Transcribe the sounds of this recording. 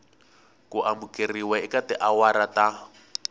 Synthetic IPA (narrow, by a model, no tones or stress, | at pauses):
kuʔamukeriwɛikatɛʔawaɾata